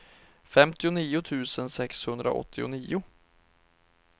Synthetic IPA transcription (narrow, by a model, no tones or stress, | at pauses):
fɛmt̪ɪʊniːʊt̪ʰʉ̟ːsənsɛkshɵnd̪ɾa̰ʔɔ̰t̪ʰːɪʊ̰niːʊ